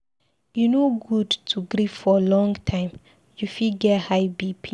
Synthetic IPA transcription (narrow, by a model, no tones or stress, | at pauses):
junoɡudtʰuɡɾiffɔlɔ̃ŋtʰãɪ̃m | jufiɡɛthajbipʰi